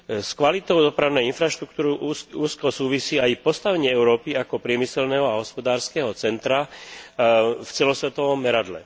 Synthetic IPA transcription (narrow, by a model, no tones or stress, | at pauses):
skʋalit̪ɔʊd̪ɔpɾaʊnɛjinfɾaʃt̪ɾukt̪uːɾiuːskɔsuːʋisiːajpɔst̪aʋɛɲɪɛɛʊɾɔːpiakɔpɾɪɛmisɛlnɛɦɔaɦɔspɔd̪aːɾskɛːɦɔt͡sɛnt̪ɾa | ft͡sɛlɔsʋɛt̪ɔʋɔmːɛɾad̪lɛ̰